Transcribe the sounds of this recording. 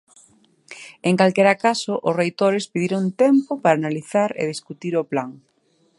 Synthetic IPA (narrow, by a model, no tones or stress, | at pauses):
eŋkalkeɾakasoʔʊsrejt̪oɾespiðiɾont̪ɛmpopaɾaːnaliθaɾḛð̞iskut̪iɾoplaŋ